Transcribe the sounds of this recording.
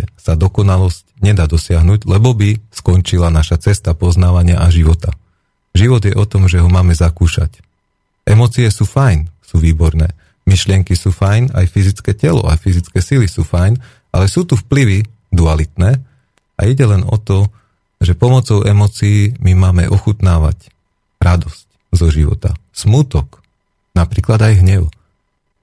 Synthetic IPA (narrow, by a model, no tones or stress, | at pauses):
sad̪ɔkɔnalɔscɲɛd̪aːd̪ɔsɪaɦnuːɟlɛbɔbiskɔnt͡ʃilanaʃat͡sɛst̪apɔznaːʋaɲɪaʔaʒiʋɔt̪a | ʒiʋɔd̪jɛʔɔt̪ɔmʒɛɦɔmaːmɛzakuːʃa̰c | ʔɛmɔːt͡siɛsuːfajnsuːʋiːbɔɾnɛː | miʃlɪɛŋkisuːfajna̰jfizit͡skɛːcɛlɔ̰ʔa̰fizit͡skɛːsilisuːfajn | ʔa̰lɛsuːt̪ufpliʋi | d̪ualit̪nɛː | a̰iɟɛlɛnɔt̪ɔ | ʒɛpɔmɔt͡sɔʊʔɛmɔːt͡siiːmimaːmɛ̰ʔɔxut̪naːʋa̰c | ɾad̪ɔsc | zɔʒiʋɔ̰t̪a̰smuːt̪ɔk | napɾiːklad̪ajɦɲɛʊ